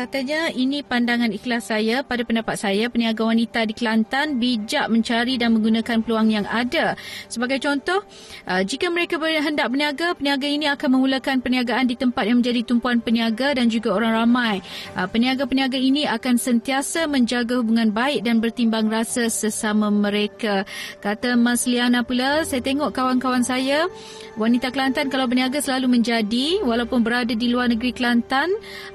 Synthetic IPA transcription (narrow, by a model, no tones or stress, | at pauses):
kat̪aɲainĩpandaŋãniklasːajapadapəndapat̪̚sajapəniaɡawanit̪adikəlant̪anbid͡ʒaʔmə̃ɲt͡ʃaɾidanmə̃ŋɡunãkanpəluaŋjaŋadasəbaɡajt͡ʃɔnt̪ɔh | ʔəd͡ʒikaməɾekabərɦəndaʔ̚pəniaɡapəniaɡainĩakanmə̃muləkanpəniaɡaʔandit̪əmpat̪̚jaŋmə̃ɲd͡ʒadit̪umpuanpəniaɡadand͡ʒuɡaoɾaŋramãjpəniaɡapəniaɡainĩakansənt̪iasamə̃ɲd͡ʒaɡahubuŋãnbaɪk̚danbərt̪imbaŋrasasəsamãmə̃ɾekakat̪amãslianapulasajat̪eŋɔʔkawankawansaja | wanit̪akəlant̪ankalawpəniaɡasəlalumə̃ɲd͡ʒadiwalawpʊnbəɾadadiluarnəɡɾikəlant̪an